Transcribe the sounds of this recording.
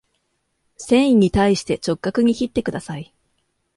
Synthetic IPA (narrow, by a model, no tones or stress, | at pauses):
sẽ̞ɰ̃ĩɲ̟ːit̪aiɕi̥t̪e̞t͡ɕo̞kːakɯ̟ɲ̟içit̪ːe̞kɯd̪asai